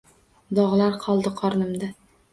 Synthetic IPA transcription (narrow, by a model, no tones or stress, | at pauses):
d̪ɒʁlˠaɾqʰɒlˠd̪ɪqʰɒɾnɪmd̪a